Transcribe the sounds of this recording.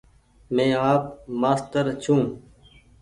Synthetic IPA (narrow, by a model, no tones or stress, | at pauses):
mẽːaːp̚maːst̪əɾt͡ɕʰũː